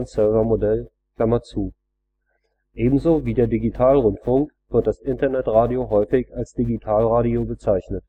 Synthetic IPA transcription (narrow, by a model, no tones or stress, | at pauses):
nsœɐvɐmodɛl | kl̥amɐt͡suː | ʔeːbm̩zoːviːdeːɐdiɡitʰaːlʁʊntfʊŋkv̥ɪɐt̚d̥asʔɪntɐnɛtʁaːdioɦɔʏfɪçalsd̥iɡitʰaːlʁaːdiobət͡saɪçnət